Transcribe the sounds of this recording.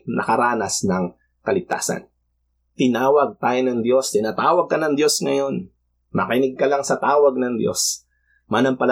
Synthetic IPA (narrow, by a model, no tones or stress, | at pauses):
nʔɐ̰kɐɾaːnɐsnɐŋ | kɐlɪɡ̚t̪a̰ːsɐ̰n | t̪ɪnaːwɐɡ̚t̪aːjonɐŋd̪jo̞st̪ɪnaːt̪aːwɐɡ̚kɐnɐŋd̪jo̞sŋɐjo̞n | mɐ̰kɪnɪɡ̚kɐlaŋsɐt̪aːwɐɡ̚nɐŋd̪jo̞̰s | manɐŋpɐl